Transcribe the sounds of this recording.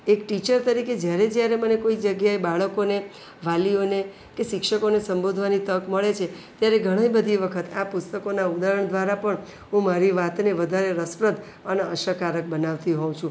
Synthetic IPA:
ekʈit͡ʃəɾt̪əɾiked͡ʒjaɾed͡ʒjaɾemənekoid͡ʒəɡjaebaɭəkone | ʋalione | keʃɪkʃəkonesəmbod̪ʱʋanit̪əkməɭet͡ʃʰe | t̪jaɾeɡʱəɽ̃əibəd̪ʱiʋəkʰət̪apʊst̪əkonaud̪aɾəɳ̃d̪ʋaɾapəɳ | ɦũmaɾiʋat̪neʋəd̪ʱaɾeɾəspɾəd̪ | əneəʃəkaɾək̚bənaʋt̪iɦɔũt͡ʃʰũ

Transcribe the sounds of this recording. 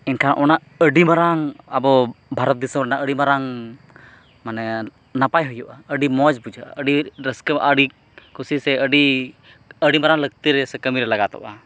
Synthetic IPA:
inkʰanʔɔna | əɖimaɾaŋabɔbʱaɾɔt̪̚d̪isɔɾnaʔəɖimaɾaŋ | manɛ | napajɦujɔʔaəɖimɔd͡ʒbud͡ʒaʔa̰əɖiɾəskəʔəɖi | kusisɛəɖi | əɖimaɾaŋləɡ̚t̪iɾɛsɛkəmiɾɛlaɡat̪ɔ̰ʔa̰

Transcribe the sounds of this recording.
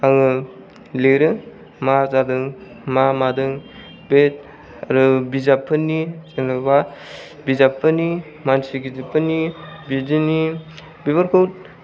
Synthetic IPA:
aŋɯ | leɾɯ | mazadɯŋ | mamadɯŋ | bet̚ | aɾubizapʰːɯnisenɾaba | bizapːɯni | mansiɡizɯpːɯnibizini | beβɐɾkʰowt̚

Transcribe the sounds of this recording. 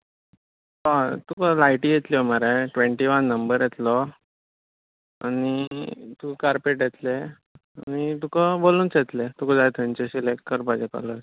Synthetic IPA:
at̪ukəlajʈiːjet̪liːomaɾaʈʋeɳʈiʋənːəmbəɾjet̪lɔ | anit̪ukkaɾpeʈ̬jet̪le | añit̪ukəboluːnt͡set̪let̪ukəd͡zajt̪ʰunt͡ɕesilekʈːəɾbad͡ʑek̪a̰lə

